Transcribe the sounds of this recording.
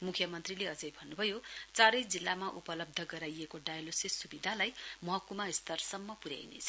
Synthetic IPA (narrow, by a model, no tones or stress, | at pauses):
mukʰjʌmʌnt̪rileʌd͡zʌjbʱʌnːubʱʌjot͡saɾʌjd͡zilːamaʔupʌlʌb̚d̪ʱʌɡʌɾajekoɖajalosisubid̪ʱalajmʌɦʌkumaist̪ʌrsʌmːʌpuɾja̰jnḛt͡sʰʌ̥